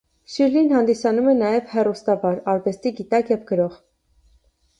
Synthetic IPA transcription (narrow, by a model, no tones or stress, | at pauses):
ʃiɾlinhɑnd̪isɑnumɛnɑjɛvhɛrust̪ɑvɑɾɑɾvɛst̪iɡit̪ɑkjɛvɡəɾɔʁ